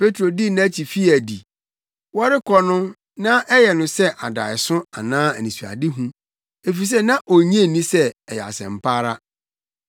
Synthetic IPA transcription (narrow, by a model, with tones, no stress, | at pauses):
pʰe˦tʰɾo˨di˦nã˦t͡ɕʰi˨fi˦æ˨dḭ˨ | wɔ˦ɾɪ˦kʰɔ˦nʊ̃˦ | nã˦ʔɛ˦jɛ˨nʊ̃˨sɛ˦ʔa˨da̰˨ɪ˨sʊ̃˦a˨nãː˦æ˨nĩ˨su˨a̰˨dɪ˦ɦũ˦ | e˨fi˨s̬ɛ˦˨nã˦ʔo˨ɲ˦ẽ˦˨nĩ˦sɛ˦ɛ˨jɛ˨a̰˨sɛ̰̃˨m̩˨pʰaː˦ɾa˦